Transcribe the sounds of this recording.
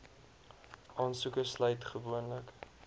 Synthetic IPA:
ʔɑːnsukəslœɥtχəvuənlək

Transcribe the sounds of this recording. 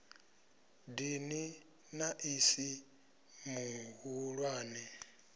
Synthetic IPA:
dini | naʔisi | muɦuɺwaːnɛ

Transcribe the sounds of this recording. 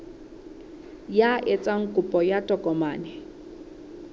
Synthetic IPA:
jaʔet͡sʼaŋ̩kʼupʼɔjatʼɔkʼɔmaːnɛ

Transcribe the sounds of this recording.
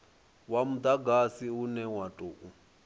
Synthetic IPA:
wamud̪aɡasiunɛwatʼoːʔu

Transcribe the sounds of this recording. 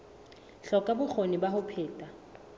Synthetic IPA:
ɬɔkʼabʊk͡xʰonɪbahʊpʰeːtʼa

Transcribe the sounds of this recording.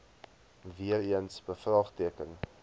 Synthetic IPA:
viəɾiənsbəfrɑːχtiəkən

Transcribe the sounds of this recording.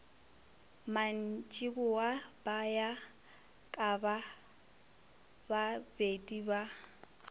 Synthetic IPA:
man̩t͡ʃʼibʊwab̥aja | kʼaba | babedʼiba

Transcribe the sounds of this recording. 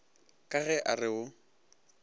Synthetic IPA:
kʼaɣɛʔarɪʊ

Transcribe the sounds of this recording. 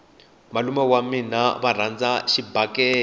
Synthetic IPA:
malumɛwaminaβar̤and͡zaʃibakɛː

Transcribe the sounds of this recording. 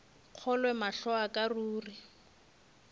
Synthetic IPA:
q͡χʰɔlwɛmaɬɔakʼaruːri

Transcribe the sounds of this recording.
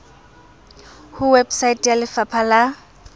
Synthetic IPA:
hʊwebsaitʼjalɪfapʰala

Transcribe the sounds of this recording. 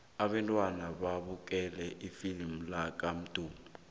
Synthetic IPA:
aɓɛntʼwanaɓaɓuk̬ʼɛlɛʔifilm̩lak̬ʼam̩d̥ʱuːmu

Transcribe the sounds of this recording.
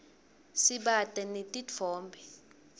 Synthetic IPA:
siɓatʼɛnetʼit͡fʰɔːmbʱɛ

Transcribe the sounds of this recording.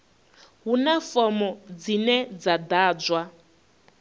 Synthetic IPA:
ɦunafɔmɔd͡zinɛd͡zad̪aːd͡zwa

